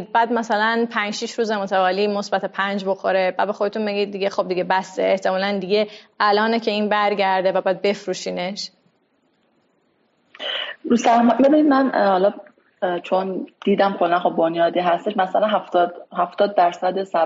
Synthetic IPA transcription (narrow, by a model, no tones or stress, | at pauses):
bæːd̪mæsælænpʰænd͡ʒʃiʃɾuːzemo̞t̪ʰævɒːliːmosbæt̪ʰepʰænd͡ʒbo̞xoɾebæd̪be̞xo̞d̪e̞t̪ʰunbe̞ɡid̪̚ːiɟe̞xob̚d̪iɟe̞bæst̪eːht̪ʰemɒːlænd̪iɟe̞ʔælɒːnecʰeiːnbæɾɟæɾd̪e̞væbæːd̪̚be̞fɾuːʃiːne̞ʃ | usæɾmɒbebinid̪mænhɒlɒ | t͡ʃʰond̪̥iːd̪æmkʰolːænxobbonjɒːd̪iːɦæst̪eʃmæsælænɦæft̪ːhæft̪ɒːd̪̚d̪æɾsæd̪esæ